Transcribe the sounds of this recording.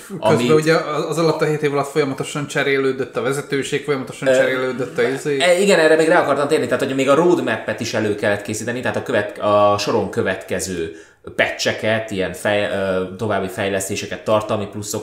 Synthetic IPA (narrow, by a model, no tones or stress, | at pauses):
ɒ̰ømibɛuɟɛːzɒlɒt̪ːɒɦeːt̪eːvɒlɒt̪fo̞jɒmɒt̪o̞ʃɒnt͡ʃɛɾeːlːøːd̪øt̪ːɒvɛzɛt̪øːʃeːkfo̞jɒmɒt̪oʃɒnt͡ʃɛɾeːlːøːd̪øt̪ːɒizeːiɡɛnɛrːɛmeːɡraːɒkɒrt̪ɒmt̪eːrnit̪aːt̪hocʰɒmeːɡɒroːd̪mɛpːɛt̪iʃɛløːkɛlːɛt̪keːsiːt̪ɛnit̪ɛɦːt̪ɒkøvɛt̪ɒʃo̞ɾo̞ŋkø̞vɛt̪kɛzøː | pɛt͡ʃːɛkɛt̪iɛnfɛjøt̪o̞vaːbːifɛjlɛst̪eːʃɛkɛt̪ːɒrt̪ɒlmiplusːo̞k